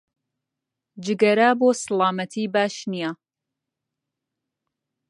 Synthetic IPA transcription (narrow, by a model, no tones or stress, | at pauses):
d͡ʒɨɡɐɾaːboːsɨlaːmɐt̪ʰiːbaːʃnija